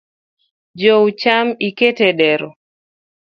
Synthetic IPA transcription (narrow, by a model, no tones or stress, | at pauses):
d͡ʒowt͡ʃamiketedɛɾɔ